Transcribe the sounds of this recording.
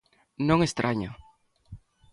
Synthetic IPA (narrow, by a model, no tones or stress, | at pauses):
nõŋest̪ɾʔaɲo